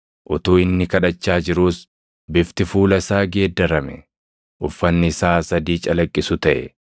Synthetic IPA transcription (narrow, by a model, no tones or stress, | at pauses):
ʔʊt̪uːɪnːɪkɐᶑɐt͡ʃːaːd͡ʒɪɾuːs | bɪft̪ɪfuːlɐsaːɡe̞ːd̪ːɐɾɐmɛ | ʔʊfːɐnːɪɪsaːsɐd̪iːt͡ʃʼɐlɐkʼːɪsʊt̪ɐʔɛ̰